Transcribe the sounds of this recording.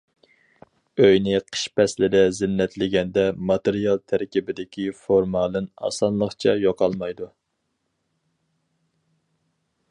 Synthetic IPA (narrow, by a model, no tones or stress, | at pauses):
øjnɪqʰə̥ʃpɛslɪd̪ɛzɪnːɛt̪lɪɡʲɛnd̪ɛmɑt̪eɾijɑlˠt̪ʰæɾkʲibɪd̪ɪkʲʰifoɾmɑlˠɨnɑ̰sɑnlˠəχt͡ʃʰɛjoqʰɑlˠmɑjd̪u